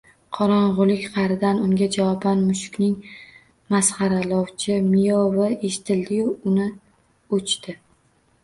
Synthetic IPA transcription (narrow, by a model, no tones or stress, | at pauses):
qʰɒɾɒɴʁʊlˠɪkʲqʰɑɾɪd̪anʊŋɡʲad͡ʒawɒbanmʊʃʊ̥kʲnɪŋ | masχɑɾalɒwt͡ʃʰɪmɪjovɪe̞ʃɪ̥t̪ʰɪld̪ɪjʊʊnɪ | ot͡ʃt̪ɪ